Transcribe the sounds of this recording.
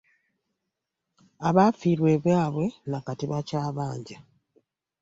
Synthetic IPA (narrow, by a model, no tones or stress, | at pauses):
aβafiːɾwe̞ːβwaːβwe̞nakatiβacaːβaːɲɟa